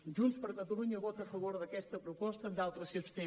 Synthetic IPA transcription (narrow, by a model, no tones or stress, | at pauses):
ʒunspəɾkət̪əlˠuɲɐβɔt̪ɐfəβoɾðɐkɛst̪ɐpɾupɔst̪əd̪alˠt̪ɾɐsost̪e